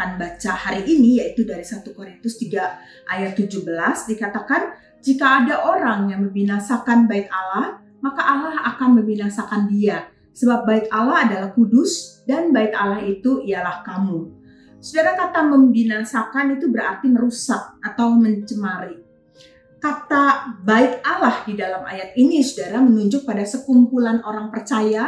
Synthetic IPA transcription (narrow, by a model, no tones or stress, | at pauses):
anbat͡ʃahaɾiʔːnijait̪udaɾisat̪ukoɾint̪ʊst̪iɡa | ʔajat̪ːud͡ʒuhbəlasdikat̪akan | d͡ʒikaːdaʔoɾaŋjaŋməmbinasakanbaɪt̪alah | makaʔalahakanməmbinasakandia | səbap̚baɪk̪alaɦadalahkudʊsdanbaɪt̪alahit̪uijalahkamu | sudaɾakat̪aməmbinasakanit̪ubəɾart̪iməɾusak̚at̪awməɲt͡ʃəmaɾi | kat̪abaɪt̪̚alahdidalamʔa̰jat̪̚inisudaɾamənuɲd͡ʒʊk̚padasəkumpulanoɾaŋpərt͡ʃaja